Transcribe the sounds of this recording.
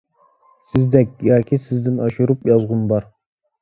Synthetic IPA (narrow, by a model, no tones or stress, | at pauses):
sɪzd̪ɛkʲjɑːkʲʰisɪzd̪ɪnɑʃuɾupjɑzʁʊnbɑɾ